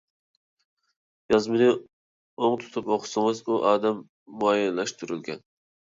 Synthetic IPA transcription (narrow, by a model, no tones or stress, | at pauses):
jɑzmɨnɪ | oŋt̪ʰu̥t̪ʰupoqʰʊ̥sɨŋɨzuʔɑːd̪ɛmː | uɑjilːɛʃt̪ʰuɾylɡʲɛ̰n